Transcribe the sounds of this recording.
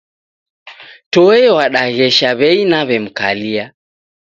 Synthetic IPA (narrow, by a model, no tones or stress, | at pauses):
tɔɛwaɗaɣɛʃaβɛinaβɛm̩kalia